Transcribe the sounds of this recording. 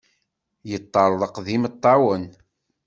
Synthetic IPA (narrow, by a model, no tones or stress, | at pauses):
jət̪ˤːɑɾˤðˤəqðimət̪ˤːɑwən